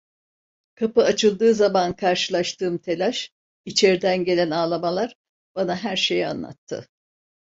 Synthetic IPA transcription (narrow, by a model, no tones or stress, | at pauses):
kʰapɯat͡ʃʰɯlˠd̪ɯːzamankʰaɾʃɯlˠaʃt̪ʰɯːmt̪ʰe̞lʲaʃ | it͡ʃʰeɾd̪ænɟe̞lʲænaːlˠamalˠaɾ | b̥anaɦæɾʃe̞ja̰nlˠa̰t̪ʰːɯ̰